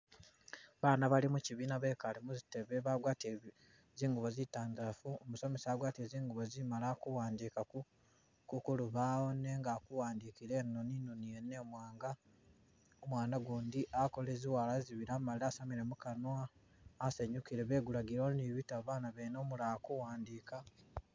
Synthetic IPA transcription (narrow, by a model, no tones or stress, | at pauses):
βaːnaβalimuciβiːnaβe̞ːkalimuzite̞βe̞βaɡwaːte | ziːŋɡuβo̞zitaːndafuomuso̞me̞saːɡwaːtieːziːŋɡuβo̞zimalakuwaːndiːkaku | kukuluβaːoneŋɡakuwaːndikiɾe̞noninunijene̞ːmwaːŋɡa | omwaːnaɡuːndiʔakole̞ːziwaːlaziβiɾamaliaːsamiɾe̞mukanwaː | seɲukiɾe̞βe̞ːɡulaɡiɾoniβitaβaːnaβenomulakuwaːndiːka